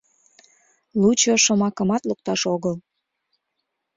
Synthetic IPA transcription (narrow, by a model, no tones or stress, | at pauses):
lut͡ɕoʃomɑkəmɑt̪luk̚t̪ɑʃoɣəl